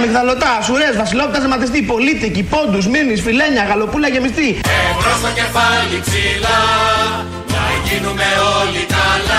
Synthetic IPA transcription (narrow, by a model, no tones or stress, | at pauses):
mikðɐlo̞t̪ɐsuɾe̞zvɐsilo̞p̪it̪ɐsimɐθist̪ipo̞lit̪icipo̞d̪usmiɾnisfile̞ɲɐɣɐlo̞pulɐʝe̞mist̪ievost̪ɐcefɐlipsilɐ | nɐʝinumeolit̪ɐl